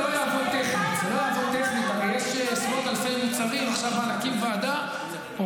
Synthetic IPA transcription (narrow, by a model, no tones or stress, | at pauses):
ojaːvoʁt̪eχnikzelo̞jaːvoʁt̪eχnikaʁejeʃspoʁt̪alfejmit͡saʁimeʃavanakimvead̪a